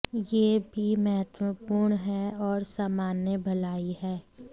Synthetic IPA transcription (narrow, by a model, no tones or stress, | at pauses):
jebʱimɛɦət̪wəpuːɾɳɦɛɔːɾsaːmaːnjəbʱɐlaːiɦɛː